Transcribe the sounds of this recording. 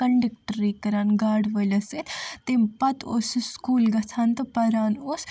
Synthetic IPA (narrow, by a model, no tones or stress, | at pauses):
ɐɳɖək̚ʈɾiːkɐɾaːnɡaːɖʋəlɐset̪ʰt̪empɐt̪osskuːlɡɐsʰaːnt̪ɐpɐɾaːnos